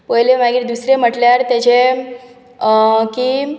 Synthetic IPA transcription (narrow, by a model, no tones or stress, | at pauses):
pəjleʋaɡiɾd̪usɾem̤əʈljaɾt̪et͡ɕe | ki